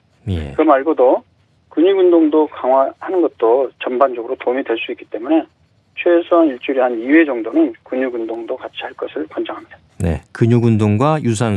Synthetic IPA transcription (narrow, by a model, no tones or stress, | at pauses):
jḛkɯɾʌmaɭɡodo | kɯɲuɡundoŋdokaŋwahanɯnɡʌt̚t͈ot͡ɕʌmband͡ʑʌɡɯɾotomidwe̞ɭs͈uik͈i̥t͈e̞mune̞ | t͡ɕʰwe̞sʰoaniɭt͡ɕ͈uɾiɦaniwe̞d͡ʑʌŋdonɯnkuɲuɡundoŋdokat͡ɕʰiɦaɭk͈ʌsʰɯɭkwʌnd͡ʑʌŋɦamɲid̥ḁ | ne̞̰kɯɲuɡundoŋɡwajus̬ʰaŋ